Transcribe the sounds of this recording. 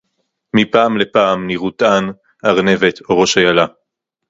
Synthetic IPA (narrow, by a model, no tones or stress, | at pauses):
mipaːmle̞paːmniʁut̪an | aʁne̞ve̞t̪ʰoʁo̞ʃajala